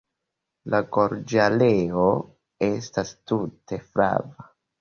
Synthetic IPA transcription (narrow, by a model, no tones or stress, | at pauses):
laɡo̞ɾd͡ʒaleo | e̞stastute̞fɾa̰va